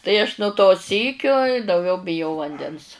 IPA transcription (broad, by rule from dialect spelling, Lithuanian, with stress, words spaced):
tɐɪ ɐʃ nʊ toː ˈsʲiːkʲoː ɪ dɐʊˈɡʲɛʊ bʲɪˈjɛʊ ʋɐnʲˈdʲɛns